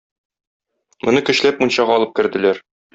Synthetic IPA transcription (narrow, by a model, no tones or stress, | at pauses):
mŏnɤkɵ̆ɕlæp̚munɕɑʁɑɒlˠɤp̚kɘ̆ɾd̪ɘ̆læɾ